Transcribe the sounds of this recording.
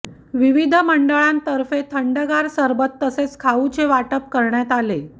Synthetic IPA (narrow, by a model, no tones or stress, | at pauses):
ʋiʋid̪ʱəməɳɖəɭãnt̪əɾfet̪ʰəɳɖəɡaɾsəɾbət̪ːəset͡skʰaut͡ɕeʋaʈəp̚kəɾɳjat̪ale